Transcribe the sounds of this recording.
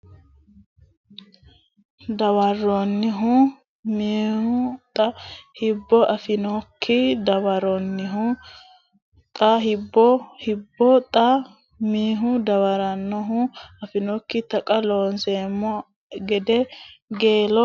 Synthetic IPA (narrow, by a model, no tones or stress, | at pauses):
d̪ɐwɐrːɔnːɪɦʊ | miːhʊt̪ʼɐhɪbːɔʔɐfɪnɔkʰːɪd̪ɐwɐɾɔnːɪɦʊ | t̪ʼɐɦɪbːɔhɪbːɔt̪ʼɐ | miːɦʊd̪ɐwɐɾɐnːɔɦʊɐfɪnɔkːɪt̪ɐkʼɐloːnseːmːɔ | ɡɛd̪ɛɡeːlɔ